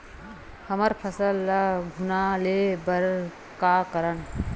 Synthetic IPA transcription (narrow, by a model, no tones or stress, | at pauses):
həməɾpʰəsəlːɐɡʱunalebəɾ | kaːkəɾən